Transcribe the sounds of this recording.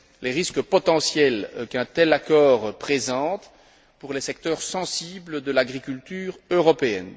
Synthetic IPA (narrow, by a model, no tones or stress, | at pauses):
leʁiskpɔt̪ɑ̃sjɛlkɛ̃t̪ɛlakɔːʁpχezɑ̃ːt̪ | puʁlɛsɛkt̪œʁsɑ̃sibləd̪əlaɡʁikʲylt̪yːʁøʁɔpeɛ̰n